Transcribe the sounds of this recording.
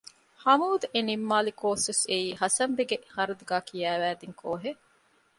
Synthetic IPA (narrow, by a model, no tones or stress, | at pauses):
hɐmuːd̪enimːaːlikoːsuseiːɦɐsɐmbeɡehɐɾɐd̪uɡaːkʰijæːʋæːd̪iŋkʰoːɦe